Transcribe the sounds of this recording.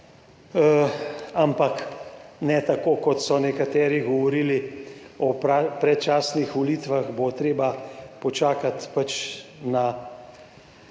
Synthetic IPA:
ampaknɛt̪akoːkɔt̪sɔnɛkat̪ɛːɾiɡɔʋɔɾiːliɔpapɾɛt̪̚t͡ʃaːsnixʋɔliːt̪ʋaxbot̪ɾeːbapɔt͡ʃaːkat̪pat͡ʃna

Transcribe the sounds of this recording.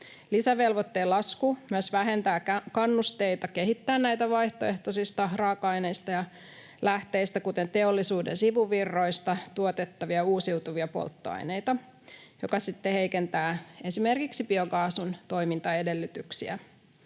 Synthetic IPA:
lisæʋe̞lʋot̪ːeːlɑskumyøsʋæɦe̞nt̪æːkkɑnːust̪eit̪ɑke̞ɦit̪ːæːnnæjt̪æʋɑjht̪oeht̪osist̪ɑrɑːkɑjne̞ist̪ɑjɑ | læht̪e̞ist̪ækut̪ent̪e̞olːisuːdensiʋuʋirːo̞ist̪ɑt̪uot̪et̪ːɑʋiɑuːsiwt̪uʋiɑpo̰lt̪ːo̰ɑ̰jnejt̪ɑ | jokɑsit̪ːehe̞jkent̪æːe̞sime̞rkiksipioɡɑːsunt̪o̞jmint̪ɑe̞de̞lːyt̪yksiæ̰

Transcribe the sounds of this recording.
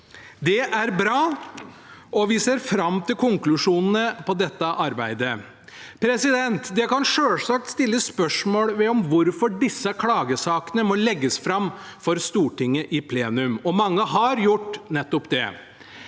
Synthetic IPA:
d̪ɛʔæɾbɾɑː | ʔɔʋɪseːɾfɾɑmt̪ɪlkʰʊŋklʉʂuːnən̩əpɔd̪ɛt̪ːəʔɑɾbæɪd̪ə | pʰɾɛsɪd̪ɛnt̪d̪ɛkɑnʂøːlsɑk̚t̪st̪ɪlːəspœʂmoːɽʋɛɔmʋʊɾfɔɖɪsːəkʰlɑːɡəsɑːkənəmɔlɛɡːəsfɾɑmfɔɾst̪uːʈɪŋːəʔɪpʰleːnʉmɔmɑŋːəɦɑɾjʊʈːnɛt̪ːɔpd̪ɛ̰

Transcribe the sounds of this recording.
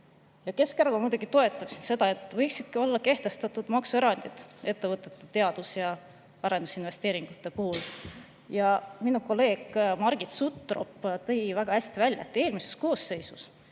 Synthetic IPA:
jɑke̞skæɾkomuːd̪uɡit̪o̞e̞t̪ːˑɑpsinse̞d̪ɑe̞t̪ːˑvɤjksid̪̥̚kio̞lːɑke̞ht̪e̞st̪ɑt̪ud̪̥mɑksue̞ɾɑnd̪̥it̪e̞t̪ːe̞vɤt̪ːˑe̞̥t̪ːˑet̪e̞ɑd̪̥usjɑ | ɑɾe̞nd̪usinve̞st̪e̞ːɾiŋɡ̥ut̪ːe̞puhul | jɑminuko̞lːe̞ːɡ̥mɑɾɡ̥it̪sut̪ːˑro̞̰pːt̪ɤ̞jvæɡ̥ɑhæsʲt̪ivælʲjɑ̰t̪ːeːlmise̞sko̞ːsːe̞jsus

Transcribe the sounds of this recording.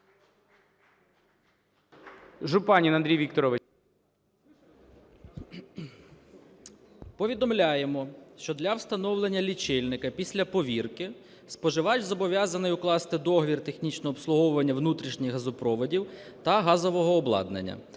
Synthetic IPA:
ʒʊpɑnʲinɐnd̪ɾʲijʋʲikt̪ɔɾɔʋɪ | pɔʋʲid̪ɔmlʲajemɔʃt͡ʃɔd̪lʲɐwst̪ɐnɔwlˠenʲːɐlʲit͡ʃɪlʲnɪkɐpʲisʲlʲɐpɔʋʲirkɪ | spɔʒɪʋɑt͡ʃʲzɔbɔʋʲjazɐnɪjʊklˠɑst̪ɪd̪ɔɦɔʋʲirt̪exnʲit͡ʃnɔɔːpslˠʊɦɔwʊʋɐnʲːɐwnut̪ɾʲiʃnʲɪxɦɐzʊpɾɔʋɔdʲiwt̪ɐɦɑzɔʋɔɦɔːblˠɑ̰d̪nḛnʲːɐ̰

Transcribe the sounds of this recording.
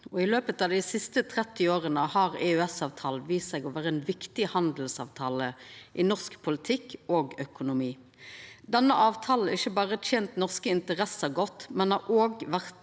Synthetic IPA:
ɔɪløːpət̪ɑːʋd̪ɪsɪst̪ət̪ʰʁɛt̪ːɪoːʁənəhɑʁɛœɛsɑːʋt̪ʰɑːlʋiːssɛɡɔʋæːʁəɛnʋɪkt̪ɪhɑnd̪l̩sɑ̰ːʋt̪ʰɑːləʔɪnɔʁskpʰʊlɪt̪ʰɪkːoːɡœkʊnʊmiː | d̪ɛnːəʔɑːʋt̪ʰɑːln̩ɪçːəbɑːʁəətʰɛːnt̪nɔʁskəɪnt̪əʁɛsəɡɔt̪ːmɛnhɑʔoːɡʋæʁt̪

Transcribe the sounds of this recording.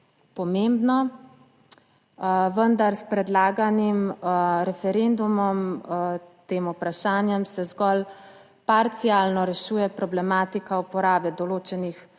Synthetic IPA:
pɔmembnɔ | ʋənd̪aɾspɾɛd̪laːɡanimɾɛfɛɾend̪umɔm | t̪eːmupɾaʃaːnjɛmsɛzɡɔl | paɾt̪sjaːlnɔɾɛʃuːjɛpɾɔblɛmaːt̪ikaupɔɾaːbɛd̪ɔloːt͡ʃɛnix

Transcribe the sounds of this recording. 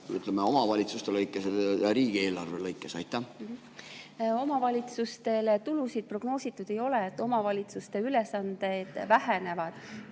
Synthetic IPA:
y̰t̪ˑlemeo̞mɑvɑlʲit̪sust̪elɤjkˑːeseɾiːɡ̥ie̞ːlɑrvelɤjkːˑesɑjt̪ːæ | o̞mɑvɑlʲit̪sust̪e̞let̪ulusid̪̥̚pro̞ɡ̥no̞ːsit̪ːˑud̪̥ejo̞le̞ːt̪ːˑo̞mɑvɑlʲit̪sust̪e̞ylesɑnd̪e̞d̪̥væɦene̞vɑd̪̥

